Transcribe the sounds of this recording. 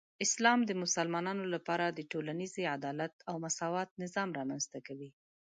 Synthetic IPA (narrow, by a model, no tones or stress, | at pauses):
ɪslɑmd̪əmʊsalmɑnɑnolapɑɾad̪əʈolanizead̪ɑlat̪awmasɑwɑt̪̚nɪzɑmɾɑmanzt̪akawi